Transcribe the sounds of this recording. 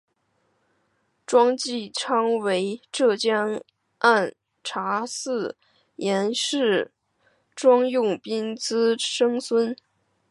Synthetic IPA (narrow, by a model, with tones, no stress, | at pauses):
ʈ͡ʂwɑ˥ŋt͡ɕi˥˩ʈ͡ʂʰɑ˥ŋwe˧˥ɪʈ͡ʂɤ˥˩t͡ɕjɑ˥ŋ | a˥˩n | ʈ͡ʂʰa˧˥sɹ̩˥˩ | jɛ˧˥nʂɻ̩˥˩ | ʈ͡ʂwɑ˥ŋjʊ˥˩ŋpi˥nt͡sɹ̩˥ʂɤ˥ŋswə˥n